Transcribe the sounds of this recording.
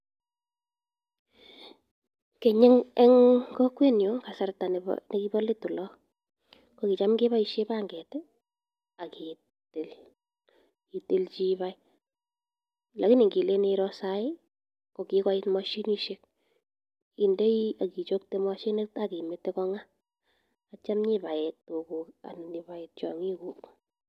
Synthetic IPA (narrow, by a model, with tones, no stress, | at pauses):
ke˨ɲɪ˦ŋɛ˦ŋkɔ˦kwe˦njo˦ka˨sa˨rta˨n̰ne˦ki˦bɔ˦li˦tu˨lɔ˦ | ko˨ki˨t͡ʃa˦mke˦βa˦iʃe˦ba˦ŋɡɛ˨tɛ˦ | a˨ki˨ | te˨l | i˨ti˦lt͡ʃi˦βa˦j | la˨ki˦ni˨ŋɡi˨le˦niɾɔsaɪ˦ | ko˨kika˦itma˦ʃi˦ni˦ʃek̚ | i˨nde˦ia˨ki˨t͡ʃo˦k̚tema˦ʃi˦ne˦taki˨metːe˦kɔ˦ŋaː˦ | t͡ʃa˦mɲiba˨ɛ˨to˨ku˨ka̰˨nni˨ba˨ett͡ʃɔ̰˨ŋi˦kuk